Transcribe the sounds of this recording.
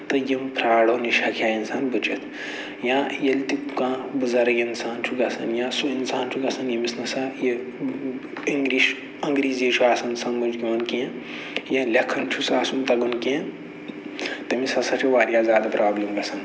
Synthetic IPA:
t̪ɐjimpɾaːɽoniʃɐkʰjaːinsaːnbɐt͡ʃɐt̪ʰ | jãːjɐlt̪ipkãːbɨzɐɾɐɡinsaːnt͡ʃʰuɡɐsɐ̰njãːsuinsaːnt͡ʃʰuɡɐsɐnjɐmisnɐsaje | iŋɡɾiːʃ | ɐŋɡɾiːzet͡ʃʰuaːsɐnsɐmbɐnd͡ʒkiʋɐnkiɐ̃ | jɐ̃lʲɐkʰːɐnt͡ʃʰusaːsumt̪ɐɡɐnkiɐ̃ | t̪ɐmisɐsɐʈʰiʋaːɾjaːzʲjaːd̪ɐpɾaːblɐmɡɐsɐn

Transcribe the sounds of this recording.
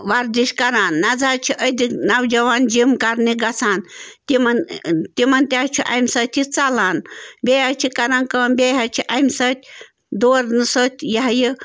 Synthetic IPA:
ʋaɾd̪iʃkɐɾanːɐd͡zaɾt͡ʃʰiʔəd̪iknawd͡ʒɐʋand͡ʒimkaɾniɡɐt͡sʰant̪imɐnt̪imɐnt̪ʲat͡ʃʰiʔamʲsət̪ʲʰit͡salanbʲejat͡ʃʰikɐɾãnkənbʲejat͡ʃʰiʔamʲsət̪ʲ | d̪oːɾnɨsət̪ʲjaɦji

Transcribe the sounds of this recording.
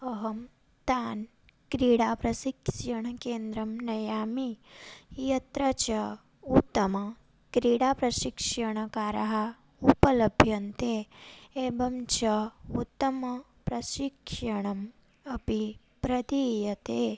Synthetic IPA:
ɐɦɐm | t̪aːn | kɾiːɽaːpɾɐʃikʃɐɳ̃ɐkeːnd̪ɾɐmnɐjaːmi | jɐt̪ɾɐt͡ʃɐ | ut̪ːɐmɐ | kɾiːɽaːpɾɐʃikʂɐɳ̃ɐkaːɾɐɦɐ | upɐlɐbʱjɐnt̪eeːbʱɐmt͡ʃɐut̪ːɐmɐ | pɾɐʃikʂɐɳ̃ɐm | ɐpi | pɾɐt̪ijɐt̪e

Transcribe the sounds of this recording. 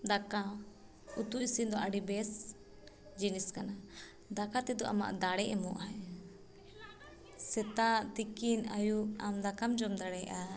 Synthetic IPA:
d̪aka | ut̪uisind̪ɔʔaɖibɛs | d͡ʒiniskana | d̪akat̪ɛd̪ɔʔa̰ma̰ʔd̪aɽɛʔɛmɔʔaɛ | sɛt̪at̪ikinajuamd̪akamd͡ʒɔmd̪aɽɛʔa

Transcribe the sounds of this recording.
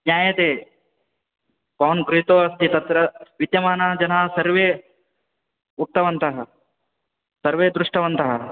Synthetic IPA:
njaːjɐt̪eː | kɔːnɡɾiɦt̪oːɐst̪ʰit̪ɐt̪ɾɐʋit̪jɐmaːnaːd͡ʒɐnaːsɐɾʋeː | uʈ̚t̪ɐʋɐnt̪ɐɦɐ | sɐɾʋeːd̪ɾuʂʈɐʋɐnt̪ɐɦɐ

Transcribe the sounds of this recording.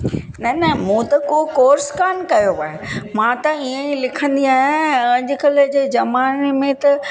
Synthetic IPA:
nɐnɐmũːt̪ɐkoːkoːɾskaːnkɐjoaːɦemãːt̪ɐiə̃ĩlɪkʰə̃nd̪iaːɦẽɐ̃ʄɪkɐled͡ʑeːd͡ʑɐmaːnemẽt̪ɐ

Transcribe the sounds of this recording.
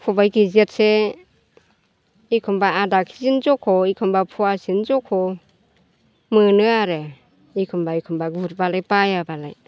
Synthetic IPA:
pʰɔbajkʰizet̚se | ikʰɯmbaːdakʰizinzɔkʰɔikʰɯmbapʰuasinzɔkʰɔ | mɯnɯaɾɯ | ikʰɯmbaikʰɯmbaɡbut̚balajpajabala̰j

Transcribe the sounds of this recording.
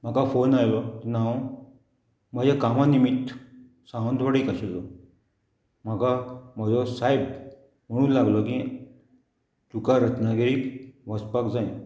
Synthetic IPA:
m̤akafonajlɔt̪enã | m̤ad͡ʑakamãnimit̪ | sãwə̃nd̪ʱʋaɽiːkaɕelɔ | m̤akamad͡zɔsajb | m̤əɽ̃ũːnlaɡlɔki | t͡sukaɾət̪naɡeɾiːkʋəspakd͡zaj

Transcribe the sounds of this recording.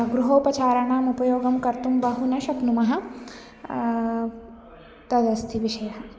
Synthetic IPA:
ɡɾuɦoːpɐt͡ʃaːɾɐɳaːmupɐjoːɡɐmkɐɾt̪umbɐɦunɐʃɐpnumɐɦɐ̆ | t̪ɐd̪ɐst̪ʰiʋiʃɐjɐɦɐ

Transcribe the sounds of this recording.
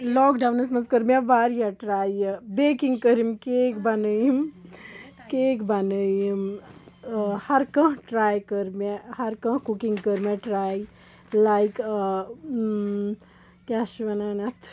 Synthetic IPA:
lɔːkɖawnɐsmɐnskəɾmeʋaːɾjaʈɾaːjɐbeːkiŋɡkəɾimkeːkbɐnəjim | keːkbanəjim | hɐɾkɐ̃ʈɾaːjkəɾmehɐɾkɐ̃kukiŋɡkəɾmeʈɾaːj | lajk | kaʃʋɐnaːnɐt̪ʰ

